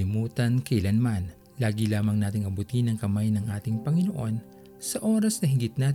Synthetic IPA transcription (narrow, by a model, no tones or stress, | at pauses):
ɪmuːt̪ɐnkɐʔɪlɐnman | laːɡilaːmɐŋnaːt̪ɪŋɐbut̪inɐŋkɐmajnɐŋʔaːt̪ɪŋpɐŋɪnoʔo̞n | sɐʔo̞ːɾɐsnɐɦɪɡɪt̪̚naːt̪